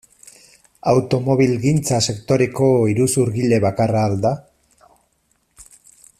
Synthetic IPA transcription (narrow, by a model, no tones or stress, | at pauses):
awt̪o̞mo̞βilɣint͡sase̞kt̪o̞ɾe̞ko̞iɾusuɾɣile̞βakaraːld̪a